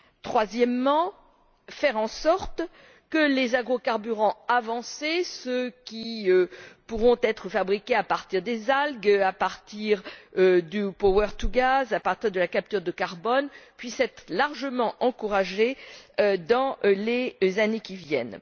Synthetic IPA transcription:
t̪χwazjɛmːɑ̃ | fɛʁɑ̃sɔʁt̪ | kəlezaɡʁokaʁbyʁɑ̃avɑ̃sesøkʲiøpuʁɔ̃t̪ɛt̪χəfabʁikʲeapaʁt̪iʁd̪ezalɡapaʁt̪iʁød̪ypowɛʁt̪uɡazapaʁt̪iʁd̪əlakap̚t̪yʁd̪əkaʁbɔnpɥisɛt̪χlaʁʒəmɑ̃ʔɑ̃kuʁaʒe | d̪ɑ̃lezanekʲivjɛ̰n

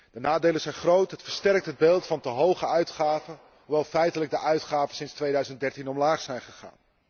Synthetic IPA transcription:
d̥ənaːdejləzɛjnχrowtɦətfəɹstɛrk̚tɦəd̚beːlˠtfɑntəɦowχəœɥtχaːvə | uʋɛjlˠfɛjtələɡ̚dəʔœɥtχaːvənsɪnstʋejdœɥzəndɛɹtinɔmlaːχsɛjnχəχa̰ːn

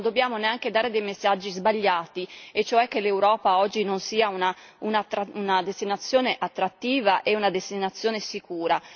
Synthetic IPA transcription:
nd̪objaːmoneaŋk̟ed̪aːɾed̪ɛjmesːad͡ʒːizbaʎːaːt̪iet͡ʃːoɛkːelːeuwɾɔːpaɔd͡ʒːinonsiːauna | unat̪ːɾaunad̪est̪inat̪sːjoːneʔat̪ːɾat̪ːiːvaʔeunad̪est̪inat̪sːjoːnesikuːɾa

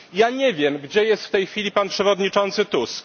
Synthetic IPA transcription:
jaɲɛvʲjɛmɡd͡ʑɛjɛst̪ft̪ɛjxfʲilʲipanpʂɛvɔd̪ɲit͡ʂɔnt̪sɘt̪usk

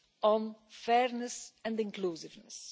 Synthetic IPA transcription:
ɔ̃nfɛːɹnəsɛ̃ndɪ̃ŋkluːsɪvnəs

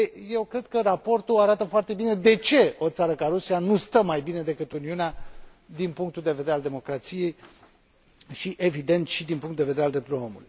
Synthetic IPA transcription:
je̞wkɾe̞d̪̥kərapo̞rt̪uaɾat̪əfoart̪e̞bine̞d̪e̞t͡ʃe̞o̞t̪saɾəkaɾusianust̪əmajbine̞d̪e̞kɨt̪uniunea | d̪inpuŋk̚t̪uld̪e̞veeɾeald̪e̞mo̞kɾat̪sije̞j | ʃiʔe̞vid̪e̞nt̪ʃid̪inpuŋt̪d̪eve̞d̪eɾeald̪ɾept̪ulojo̞mulṵjj

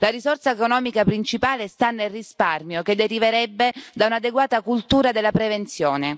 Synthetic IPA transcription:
laɾizorsaekonɔːmikapɾint͡ʃipaːlest̪anːelrisparmjoked̪ːeɾiveɾɛbːed̪aunad̪eɡwaːt̪akult̪uːɾad̪elːapɾevent̪sjoːne

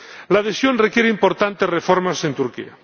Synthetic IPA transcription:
lað̞esjonrekje̞ɾeimpo̞ɾt̪ant̪esrefoɾmasent̪uɾkḭa̰

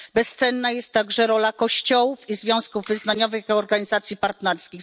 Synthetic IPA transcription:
bɛst̪sɛnːajɛst̪ːaɡʐɛɾɔlakɔɕt͡ɕɔwufizvʲjɔ̃w̃skuvːɘznaɲɔvɘxɔɾɡaɲizat̪sʲjipaɾt̪nɛɾskʲi

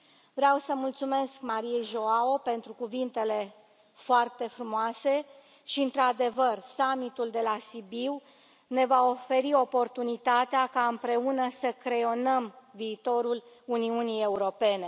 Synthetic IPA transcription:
vɾeawsəmult̪sume̞skmaɾie̞jʒo̞aope̞nt̪ɾukuvint̪e̞le̞ | foart̪e̞fɾumoase̞ | ʃiɨnt̪ɾad̪e̞vərsamit̪uld̪e̞lasibiw | ne̞vao̞fe̞ɾio̞po̞rt̪unit̪at̪eakaɨmpɾe̞unəsəkɾe̞o̞nəmviːt̪o̞ɾul | uniunije̞uɾo̞pe̞ne̞

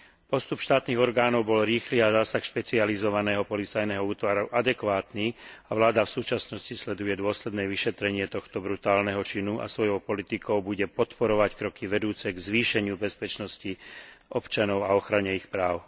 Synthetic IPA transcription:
pɔst̪upʃt̪aːt̪niːɣɔɾɡaːnɔʊbɔlɾiːxliːazaːsaxʃpɛt͡sializɔʋanɛːɦɔpɔlit͡sajnɛɦɔuːt̪ʋaɾuʔad̪ɛkʋaːt̪niːaʋlaːd̪afsuːt͡ʃasnɔscislɛd̪ujɛd̪ʊɔslɛd̪nɛːʋiʃɛt̪ɾɛɲɪɛt̪ɔxt̪ɔbɾut̪aːlnɛɦɔt͡ʃinuʔa̰sʋɔjɔʊpɔlit̪ikɔʊbuɟɛpɔt̪pɔɾɔʋackɾɔkiʋɛd̪uːt͡sɛɡzʋiːʃɛɲɪubɛspɛt͡ʃnɔsciʔɔpt͡ʃanɔʊaɔxɾaɲɛixpɾaːʊ

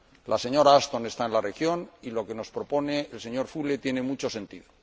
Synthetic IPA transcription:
lʔase̞ɲo̞ɾaast̪one̞st̪aenlarexjo̞nilo̞ke̞no̞spɾopo̞neelse̞ɲo̞ɾfule̞t̪je̞ne̞mut͡ʃo̞se̞nt̪iðo

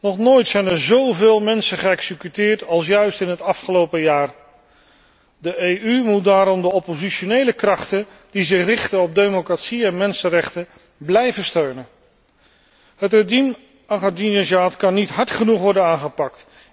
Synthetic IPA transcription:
nɔχnoːjtsɛjnɛɹzowveːlˠmɛnsəχəɛksəkytɪːɹtɑlˠsjœɥstɪnɦətɑfχəlowpəjaːr | dəejymut̚daːɾɔmdəɔpoziʃonejləkrɑχtən | dizɪχrɪχtənɔb̚dejmokratsiɛnmɛnsərɛχtə | blɛjvəstøɥnən | ɦətredim | aχadinɛsaːtkɑnːitɦɑɹtχənuχʋɔɹdənaːnχəpɑk̚t

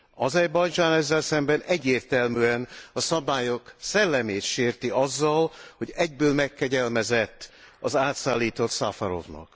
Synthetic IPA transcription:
ɒzɛjbɒjd͡ʒaːnɛzːɛlsɛmbɛnɛɟːeːrt̪ɛlmyːɛnɒsɒbaːjoksɛlːɛmeːt̪ʃeːrt̪iɒzːɒlho̞ɟɛɟ̚bøːlmɛkːɛɟɛlmɛzɛt̪ːɒzaːt̪saːlːiːt̪o̞t̪safaɾo̞̰vnɒ̰k

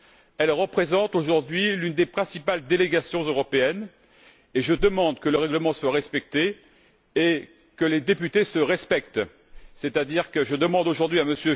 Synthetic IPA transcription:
ɛlʁəpχezɑ̃t̪oʒuʁd̪ɥilynd̪epχɛ̃sipald̪eleɡasjɔ̃zøʁɔpeɛn | eʒəd̪əmɑ̃d̪kələʁɛɡləmɑ̃swaʁɛspɛk̚t̪e | e | kəled̪epyt̪esəʁɛspɛk̚t̪ | sɛt̪ad̪iʁkəʒəd̪əmɑ̃d̪oʒuʁd̪ɥiaməsjø

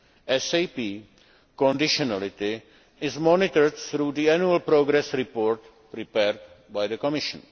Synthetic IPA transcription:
ʔɛsejpiː | kɔ̃ndɪʃonalɪt̪ɪ | ɪzmɔnɪt̪əɾdθɾuːd̪iɛnjuəlpɾoːɡɾɛsɾɪpoːɾt | pɾɪpɛːɾd | bajd̪əkɔmɪʃə̃n

